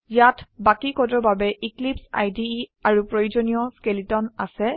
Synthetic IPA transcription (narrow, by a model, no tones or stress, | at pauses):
jatʰbakikɔtɔɹbabɛʔiklipsa̰jdiaɹupɹojud͡ʒonijɔskelitɔnasɛ